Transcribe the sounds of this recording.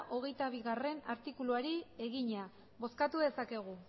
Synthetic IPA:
ʔo̞ɣ̞e̞jt̪aβ̞iɣare̞naɾt̪ikuluaɾie̞ɣiɲa | βo̞skat̪uðe̞sake̞ɣ̞u

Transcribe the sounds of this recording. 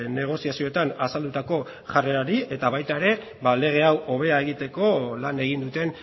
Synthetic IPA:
ne̞ɣ̞o̞siasio̞et̪anasald̪ut̪ako̞ | ʝareɾaɾie̞t̪aβajt̪ae̞ɾe̞ | βale̞ɣ̞e̞awʔo̞β̞e̞ae̞ɣ̞it̪e̞ko̞lane̞ɣ̞ind̪ut̪e̞n

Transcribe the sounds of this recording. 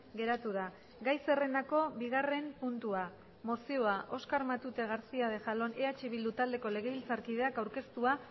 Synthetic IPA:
ɡe̞ɾat̪uða | ɡajse̞re̞nd̪ako̞βiɣ̞are̞mpunt̪ua | mo̞sio̞aʔo̞skaɾmat̪ut̪e̞ɣ̞aɾsiað̞e̞ʝalo̞ne̞at͡ʃeβ̞ild̪ut̪ald̪e̞ko̞le̞ɣ̞e̞βilt͡saɾkið̞e̞akawɾke̞st̪ua

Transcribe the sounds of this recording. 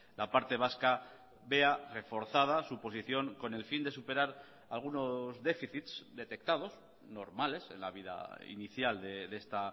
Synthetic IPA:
lʔapaɾt̪e̞β̞aska | βe̞are̞fo̞ɾθað̞asupo̞s̬iθjo̞ŋko̞ne̞lfind̪e̞supe̞ɾaɾ | alɣ̞uno̞zðe̞fiθit̪sd̪e̞t̪e̞k̚t̪að̞o̞s | no̞ɾmale̞se̞̰nlaβ̞iða̰ḭniθjald̪eðe̞st̪a

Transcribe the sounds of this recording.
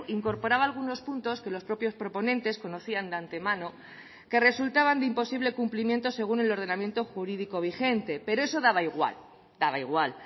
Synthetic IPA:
iŋko̞ɾpo̞ɾaβaːlɣ̞uno̞spunt̪o̞ske̞lo̞spɾo̞pjo̞spɾo̞po̞nẽ̞nt̪e̞sko̞no̞θiand̪eant̪e̞mãno̞ | ke̞re̞sult̪aβ̞and̪eimpo̞siβle̞kumplimje̞nt̪o̞se̞ɣ̞une̞lo̞ɾð̞e̞namje̞nt̪o̞xuɾiðiko̞β̞ixe̞nt̪e̞pe̞ɾoe̞so̞ðaβ̞aiɣwa̰l | d̪̥aβaiɣwal

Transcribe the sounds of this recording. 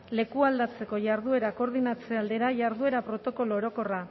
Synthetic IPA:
le̞kuald̪at͡se̞ko̞ʝaɾðue̞ɾako̞ɾðinat͡se̞ald̪e̞ɾaʝaɾðue̞ɾapɾo̞t̪o̞ko̞loːɾo̞ko̞ra

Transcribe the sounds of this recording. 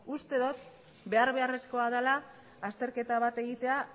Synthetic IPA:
ust̪e̞ðot̪ | be̞aɾβe̞are̞sko̞aðalaː | st̪e̞ɾke̞t̪aβ̞at̪e̞ɣit̪e̞a

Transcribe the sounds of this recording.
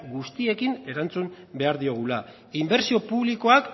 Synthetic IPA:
ɡust̪ie̞kine̞ɾant͡sum | be̞aɾðio̞ɣ̞ula | imbe̞ɾsio̞puβliko̞ak

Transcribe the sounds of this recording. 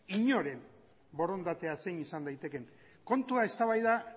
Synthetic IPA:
iɲo̞ɾe̞m | bo̞ɾo̞nd̪at̪e̞ase̞jnisand̪ajt̪e̞ke̞ŋ | ko̞nt̪uae̞st̪aβajða

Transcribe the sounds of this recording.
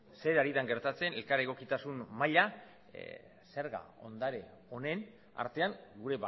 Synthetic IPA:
se̞ɾaɾiðaŋɡe̞ɾt̪at͡se̞ne̞lkaɾeɣ̞o̞kit̪asunmaʎa | se̞ɾɣa̰o̞nd̪aɾe | o̞ne̞n | a̰ɾt̪e̞aŋɡuɾe̞βa

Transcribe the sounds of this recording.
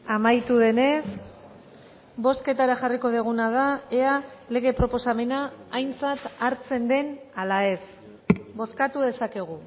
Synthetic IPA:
amajt̪uðe̞ne̞s | bo̞ske̞t̪aɾaʝariko̞ð̞eɣ̞unað̞aeale̞ɣ̞e̞pɾo̞po̞same̞naːjnt͡sat̪aɾt͡se̞nd̪e̞nalae̞s | bo̞skat̪uðe̞sake̞ɣ̞u

